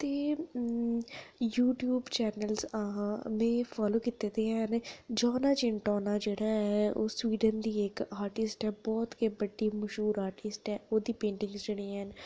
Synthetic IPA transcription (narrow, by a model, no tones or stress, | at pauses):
t̪eː | juːʈjuːbt͡ʃɛːnəlzəɦãmɛ̃ːfʰaːloːkit̪ːeːt̪eːɦɛːnːd͡ʒaːnaːt͡ʃɪɳʈɔːnaːd͡ʒeːɽaːɦɛoːswiːɖənd̪iːeːkaːɾʈɪsʈɛːbɔːt̪keːbəɖiːməʃɦuːɾaːɾʈɪsʈɦɛːoːd̪iːpẽːɳʈɪ̃ŋɡsd͡ʒeːɽiːɛn